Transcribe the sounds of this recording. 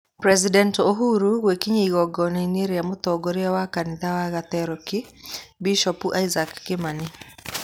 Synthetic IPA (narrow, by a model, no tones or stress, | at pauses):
pɾɛzidɛntoɦuɾuɣwɛkiɲiiɣɔɡɔniniɾiamut̪ɔɡɔɾiawakaniðawaɣat̪ɛɾɔkibiʃɔpuʔaizakːimani